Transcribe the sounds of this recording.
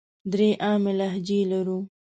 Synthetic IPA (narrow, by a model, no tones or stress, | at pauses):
d̪ɾeʔɑːmelaɦd͡ʒelaɾu